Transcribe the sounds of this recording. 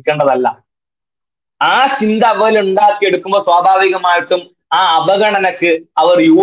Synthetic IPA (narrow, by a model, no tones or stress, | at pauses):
kʲːeːɳɖɐðɐlːɐ̰ | aːt͡ɕind̪ɐɐʋɐluɳɖaːkːie̞ɽukːumboːswaːbʱaːʋiɣɐmaːjiʈːum | aːɐʋɐɣɐɳɐnɐkːɨɐʋɐrjuː